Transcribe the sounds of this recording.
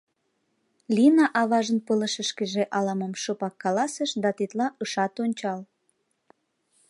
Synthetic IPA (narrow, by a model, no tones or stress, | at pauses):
linɑʔɑβɑʒənpələ̆ʃəʃkeʒeʔɑlɑməmʃopɑkːɑlɑsəʃd̪ɑt̪it̪lɑʔɤʃɑt̪onʲt͡ɕɑl